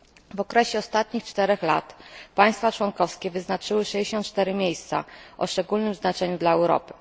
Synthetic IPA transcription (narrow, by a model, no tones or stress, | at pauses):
vɔkɾɛɕɛɔst̪at̪̚ɲixt͡ʂt̪ɛɾɛxla̰t̪paj̃st̪fat͡ʂwɔnkɔfskʲɛvɘznat͡ʂɘwɘʂɛd͡ʑeɕɔnt̪̚t͡ʂt̪ɛɾɘmʲjejst̪sa̰ʔɔ̰ʂt͡ʂɛɡulnɘmznat͡ʂɛɲud̪laɛwɾɔ̰pɘ̥